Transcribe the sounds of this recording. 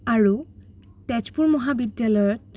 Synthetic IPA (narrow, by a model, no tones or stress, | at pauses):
aɹu | tɛt͡ʃpuɹmɔɦabidjalɔjɔt̚